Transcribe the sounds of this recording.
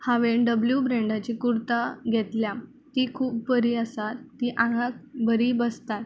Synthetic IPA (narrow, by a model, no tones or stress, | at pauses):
haʋeɳɖəbljubɾẽɳɖat͡ɕikuɾt̪aɡʱet̪lja | t̪ikʰuːp̚pəɾiːəsat̪ːiʔaɡak̚bəɾiːbəst̪at̪